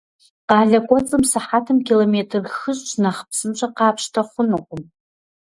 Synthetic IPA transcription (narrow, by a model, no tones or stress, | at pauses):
qaːɮakʷʼot͡sʼɨmsaħatʰɨmkʰʲilometʰrχəʒʷʼt͡ʃʷʰnaχpʰsɨmt͡ʃʷʰaqaːpʰʂtʰaχʷʊnoqʷʼʊm